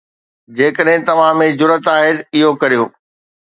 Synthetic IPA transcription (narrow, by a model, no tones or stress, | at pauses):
d͡ʑeːkəɗɦɪ̃t̪ɐʋ̤ãmẽd͡ʑʊɾət̪aːɦeɾɪɦokɐɾijoː